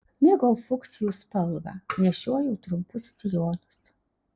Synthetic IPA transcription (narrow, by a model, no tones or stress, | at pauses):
nʲɪɡoʊfʊksʲɪjuːspɐlˠbɐ̰nʲɛʃʲuɔjɛʊt̪ɾʊmpʊssʲɪjoːnʊs